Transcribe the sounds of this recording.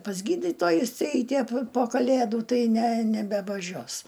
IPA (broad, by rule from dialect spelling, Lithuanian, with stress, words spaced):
pɐs ˈɡʲiːdʲiːtoːjʊs ˈɛɪtʲɪ ɐ pʲɪ poː ˈkɑːlʲeːdʊ ˈtɐɪ nʲɛ nʲɛbʲɛʋɐˈʒʲoːs